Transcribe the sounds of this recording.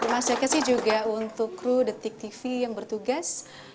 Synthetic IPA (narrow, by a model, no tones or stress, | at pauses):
d̪ərmasakasɪhd͡ʒuɡaunt̪ʊkːɾudət̪ɪk̚t̪ifijaŋbərt̪uɡas